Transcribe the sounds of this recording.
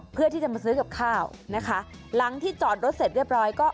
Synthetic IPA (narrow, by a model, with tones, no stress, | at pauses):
pʰɯ˥˩ət̪ʰiː˥˩t͡ɕa˨˩ma˧sɯː˦˥ka˨˩p̚kʰaː˥˩w | na˦˥kʰa˦˥ | la˨˦ŋt̪ʰiː˥˩t͡ɕɔː˨˩t̪̚ɾo˦˥t̪̚se˨˩t̪̚ɾi˥˩əp̚ɾɔː˦˥jkɔː˥˩